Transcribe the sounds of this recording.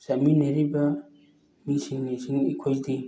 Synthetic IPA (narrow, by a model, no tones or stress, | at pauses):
samineɾibɐ | misiŋnisiŋikʰojdi